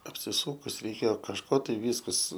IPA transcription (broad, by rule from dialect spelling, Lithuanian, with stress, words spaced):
ɐpʲsʲɪˈsuːkʊs rʲɛɪˈkʲeːjoː kɐʃˈkoː ˈtɐɪ ˈʋʲiːskɐs